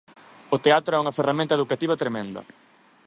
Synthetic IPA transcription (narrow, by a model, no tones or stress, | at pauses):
ot̪eat̪ɾʊɛuŋɐferamẽnt̪ɐeðukat̪iβɐt̪ɾemẽnd̪ɐ̰